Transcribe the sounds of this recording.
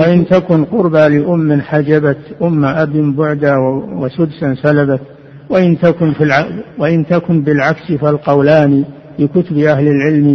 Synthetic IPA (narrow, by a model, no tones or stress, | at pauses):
waʔɪnt̪akʊnqʊɾbalɪʔʊmːɪnħad͡ʒabat̪ʔʊmːaʔabimbʊʕd̪awwasʊd̪sansalabat̪ | waʔɪnt̪akʊnfilawaʔɪnt̪akʊnbɪlʕaksifalqɑwlaːni | likʊt̪ʊbiʔahlɪlʕɪlmi